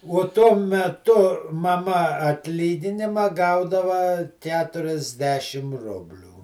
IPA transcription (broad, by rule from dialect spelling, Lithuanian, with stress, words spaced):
uɔ ˈtuɔ mʲɛˈtʊ mɐˈmɐ ɐtʲˈlʲiːɡʲɪnʲɪmɐ ˈɡɐʊdɐʋɐ ˈkʲæːtʊrʲɛzʲˌdʲæːʃʲɪm ˈrʊbʲlʲuː